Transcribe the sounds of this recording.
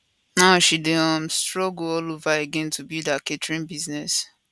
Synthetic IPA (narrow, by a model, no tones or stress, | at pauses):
naʃideɔ̃mstɹɔɡoɔlovaeɡɛ̃ntʰubidaketɹĩnbiznɛs